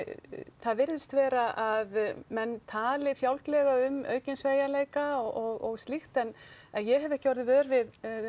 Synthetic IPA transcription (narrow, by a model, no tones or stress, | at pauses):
θaðvɪɾðst̪vɛːɾaʔaðmɛnːt̪ʰaːlɪfjawlklɛɣaʏmœ̰ːɥcɪnsveːjaleːjkaɔɣɔɣst̪lixt̪ɛnɛnjɛɦɛvɛhcɔwɾðɪvœːðʏɾvɪð